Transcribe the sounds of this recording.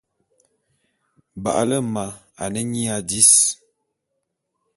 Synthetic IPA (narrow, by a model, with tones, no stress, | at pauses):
ba̰˨ʔa˦lə˦ma˨ | a̰˨nə˦ɲi˦a˨di˦s